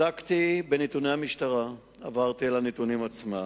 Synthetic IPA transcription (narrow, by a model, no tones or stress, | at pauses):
akt̪ibenit̪unejhamiʃtaʁa | avaʁt̪ielanit̪unimat͡sma